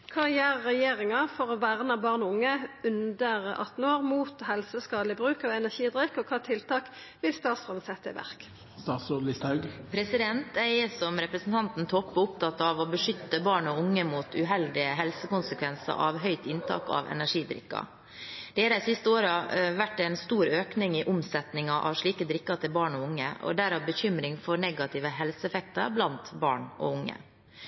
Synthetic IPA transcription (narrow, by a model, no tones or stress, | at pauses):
kʰɑːjeːʁːɛjeːʁɪŋɑfɔʁɔʋæʁnəbɑːʁnʊŋːəʉnd̪əʁʔɑ̰t̪ːn̩oːʁmuːt̪hɛlsəskɑːd̪lɪbʁʉːkɑʋɛnæʂiːd̪ʁɪkːɔkʰɑːt̪ʰɪlt̪ʰɑːk | ʋɪlst̪ɑːt̪sʊd̪n̩sɛt̪ːəɪ̰ʋʔæ̰ʁk | st̪ɑːt̪sulɪst̪hɑʉɡpʰɾɛsɪd̪ɛnt̪æɪsɔmɾɛpɾəsn̩t̪ʰɑnt̪n̩t̪ʰɔpːɔʊpt̪ʰɑt̪ːɑʋɔbəʂʏt̪ːəbɑːɳɔʊŋːəmut̪ʰʉɦɛld̪ɪəɦɛlsəkʊnsəkʰʋɛnsə̰ɾʔɑ̰ʋɦœʏt̪ɪnt̪ʰɑ̰ːkɑ̰ʋɛ̰næʂiːd̪ɾɪ̰kːɑ̰ | d̪̥ɛhɑɾæsɪst̪əoːɾɑʋæʈːæɪnst̪uːɾøːknɪŋɪʔʊmsɛt̪nɪŋɑʔɑ̰ʋʂɭiːkəd̪ɾɪkːɑt̪ʰɪlbɑːɳɔʊŋːəʔɔ̰d̪æɾɑʋbəçʏmɾɪŋfɔɳɛɡɑt̪ɪʋəɦɛlsəɛfɛk̚t̪əɾblɑnt̪bɑ̰ːɳʔɔ̰ʊŋːə̰